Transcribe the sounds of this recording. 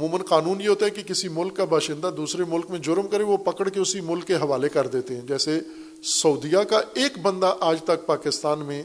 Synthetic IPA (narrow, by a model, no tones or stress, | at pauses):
ɐmuːmənqaːnuːnjeɦoːt̪aɦɛkikɪsimʊlkːabʱaːʃɪ̃nd̪ad̪uːsɾemʊlkmẽd͡ʒʊɾmkɐɾeʋopɐkəɽkeʊsimʊlkːeɦɐʋaːlekɐɾd̪eːt̪eɦɛ̃d͡ʒɛːse | sɐʊd̪ijakaeːkbə̃nd̪aʔaːd͡ʒt̪ɐk̚paːkɪst̪aːnmẽ